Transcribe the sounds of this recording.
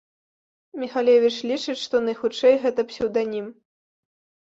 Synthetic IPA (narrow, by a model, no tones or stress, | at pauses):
mʲixalʲevʲit͡ʂlʲit͡ʂɨt͡ɕʲʂt̪ɔnɐjxut͡ʂɛjɣɛt̪ɐpsʲuwd̪anʲim